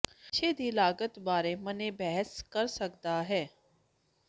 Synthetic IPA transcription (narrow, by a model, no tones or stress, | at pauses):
ʃʰeːd̪ʱiːlaːɡət̪baːɾemənẽbɛɦəskəɾsəkd̪aːɦɛː